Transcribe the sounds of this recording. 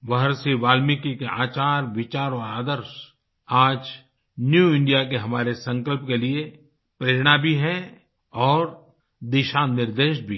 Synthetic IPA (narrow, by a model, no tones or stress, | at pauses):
ʋɐɦəɾsiʋaːlmikikeaːt͡ʃaːɾʋɪt͡ʃaːɾɔːɾaːd̪əɾʃ | aːd͡ʒ | njuɪ̃ɳɖijakeɦɐmaːɾesɐ̃ŋkəlpkelie | pɾeːɾɽ̃abʱiɦɛ̃ | ɔːɾ | d̪ɪʃaːnːɪɾd̪eːʃbʱi